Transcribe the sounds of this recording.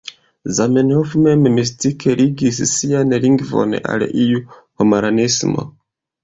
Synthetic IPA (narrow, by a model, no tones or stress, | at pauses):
zamenhofumememis̬tikʰeliɡis̬isianeliŋɡivo̰nḛʔa̰lḭʔijuhomaɾanismo̰